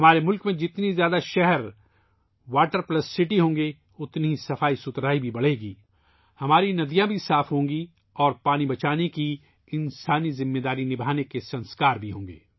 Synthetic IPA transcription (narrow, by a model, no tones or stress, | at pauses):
ɦɐmaːɾemʊlkmẽd͡ʒɪt̪nizjaːd̪aʃɛɦɛɾ | ʋaːʈəɾplɐsːɪʈiɦõːŋɡe | ʊt̪niisɐfaːisʊt̪ɾaːibʱibɐɽ̤eːɡiː | hɐmaːɾinɐd̪ijãbʱisaːfɦõːŋɡi | ɔːɾpaːnibɐt͡ʃaːneki | ɪ̃nsaːnizɪmːeːd̪aːɾinɪbʱaːnekesɐ̃nskaːɾbʱiɦõːŋɡḛː